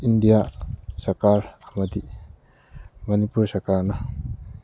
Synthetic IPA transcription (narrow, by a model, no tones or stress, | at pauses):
indijasɐɾkaɾɐmɐdi | mɐnipuɾsɐɾkaɾnɐ